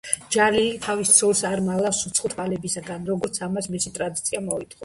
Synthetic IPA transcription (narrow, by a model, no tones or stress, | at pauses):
d͡ʒalit̪ʰavist̪sʰɔlsaɾmalˠafsut̪sʰχɔt̪ʰvalɛbisaɡanɾɔɡɔɾt̪sʰamasmisit̪ʼɾad̪it̪sʰiamɔit̪ʰχɔ